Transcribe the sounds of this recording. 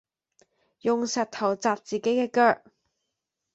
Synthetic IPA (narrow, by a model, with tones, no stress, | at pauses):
jʊ˨ŋsɐ˨t̚t̪ʰɐ˨˩wt͡saː˨p̚t͡siː˨ke˨˥jkɛː˧kœː˧k̚